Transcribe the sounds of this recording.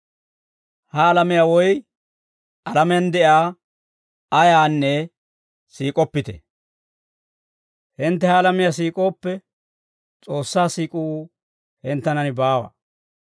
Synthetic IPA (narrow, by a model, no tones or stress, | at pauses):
hɐːlɐmɪjawɔj | ɐlɐmɛjɐnd̪ɛʔaː | ɐjaːnːɛ | siːkʼɔpːɪt̪ɛ̰ | hɪnt̪ːɛhɐːlɐmɪjasiːkʼo̞ːpːɛ | t͡sʼo̞ːsːaːsiːkʼu | hɪnt̪ːɐnɐnɪbaːwɐ̰